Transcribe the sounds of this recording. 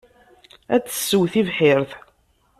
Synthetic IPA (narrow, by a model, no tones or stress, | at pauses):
æt͡sːə̥sːəwθivħɪɾθ